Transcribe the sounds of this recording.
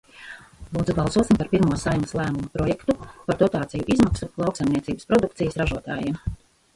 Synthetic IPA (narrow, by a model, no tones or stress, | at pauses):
lˠuːd̪zubalˠsuɔsimpaɾpiɾmuɔsajməslˠæːmumɐpɾɔjɛkt̪upaɾd̪ɔt̪aːt̪sijuʔizmaksulˠɑwksajmniɛt̪iːbəspɾɔd̪uk̚t̪sijəsɾaʒuɔt̪a̰ːjiːm